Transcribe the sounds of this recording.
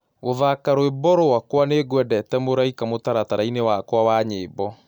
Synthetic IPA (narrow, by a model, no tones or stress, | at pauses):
ɣoðakaɾoebɔɾowakwaneɡwɛdɛtɛmoɾaikamotaɾataɾainewakwawaɲeːbɔ